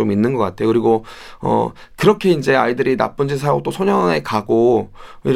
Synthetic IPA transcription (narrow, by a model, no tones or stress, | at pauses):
ominːɯnɡʌk͈atʰe̞jokɯɾiɡo | ʌ̰ | kɯɾʌkʰe̞ind͡ʑe̞a̰idɯɾina̰p͈und͡ʑisʰaot͈osʰoɲʌŋekaɡoḭ